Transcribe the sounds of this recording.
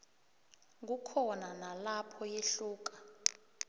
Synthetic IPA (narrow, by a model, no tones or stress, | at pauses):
k̬ukʰɔnanalapʰɔjeɬuːk̬ḁ